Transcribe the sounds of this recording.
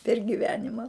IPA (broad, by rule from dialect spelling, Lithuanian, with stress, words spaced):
pʲɛr ɡʲɪˈʋʲæːnʲɪmɐ